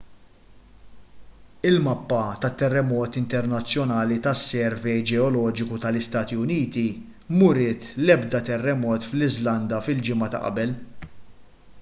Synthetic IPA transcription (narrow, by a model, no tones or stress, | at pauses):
ɪlmɐpːɐt̪ɐt̪ːɛrːɛmɔːt̪ɪnt̪ɛɾnɐt͡sːjɔnɐːlit̪ɐsːɛɾvɛjd͡ʒɛɔlɔːd͡ʒɪkut̪ɐlɪst̪ɐːt̪iʊniːt̪i | mʊɾɪːt̪lɛbd̪ɐt̪ɛrːɛmɔːt̪flɪzlɐnd̪ɐfɪld͡ʒɪmɐt̪ɐ̰ʔɐ̰bɛl